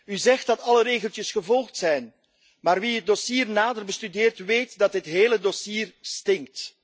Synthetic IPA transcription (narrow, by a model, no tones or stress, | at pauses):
yzɛxt̚dɑtɑləɾeːɣəlˠtjəsχəvɔlˠxtsɛjn | maːrʋiət̚dosiːrnaːdərbəstydɪːrtʋejtdɑtɦətɦeːlədosiːrstɪŋk̚t